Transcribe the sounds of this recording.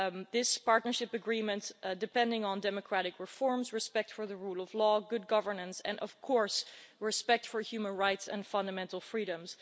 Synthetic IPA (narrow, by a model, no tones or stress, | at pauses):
ðɪspɑɹtⁿnə˞ʃɪpɨɡɹĩmɨ̃ntdɨpɛ̃ndɪ̃ŋə̃ndɛmɨkʰɹ̥æɾɨkɹɨfɔɹmzɹɨspɛk̚tfə˞ðəɹulˠʌvlɔɡʊd̚ɡʌvə˞nə̃nsɨ̰̃nʔʌ̰v̥kʰɔɹsɹɨspɛk̚tfə˞hjʉmə̃nɹaɪtsɨ̰̃nfʌ̃ndəmɛ̃ntˡl̩ˠfɹiɾə̃mz̥